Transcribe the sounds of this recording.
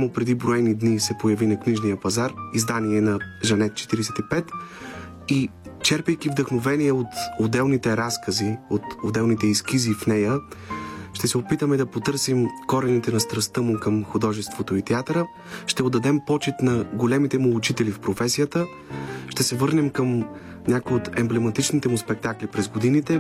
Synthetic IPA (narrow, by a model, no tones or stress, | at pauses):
mʊpɾɛd̪ibɾoɛnid̪nisɛpojɐvinɐkniʒnijəpɐzaɾizd̪aniɛnɐʒɐnɛt̪t͡ʃɛ̥t̪iɾɛsɛt̪ipɛt̪ | i | t͡ʃɛɾpɛjkivd̪ɐxnovɛnijɛot̪od̪ɛlˠnit̪ɛɾaskəziot̪od̪ɛlˠnit̪ɛiskizifnɛjə | ʃt̪ɛsɛopit̪əmɛd̪ɐpot̪ɤɾsimkɔɾɛnit̪ɛnɐst̪ɾɐst̪əmʊkəmxʊd̪ɔʒɛst̪vot̪oit̪ɛat̪ɾə | ʃt̪ɛod̪ːɐd̪ɛmpɔt͡ʃɛt̪nɐɡolɛmit̪ɛmuːt͡ʃit̪ɛlifpɾofɛsijət̪ə | ʃt̪ɛsɛvɤɾnɛmkəm | nʲakojot̪ɛmblɛmɐt̪it͡ʃnit̪ɛmʊspɛk̚t̪aklipɾɛzɡod̪init̪ɛ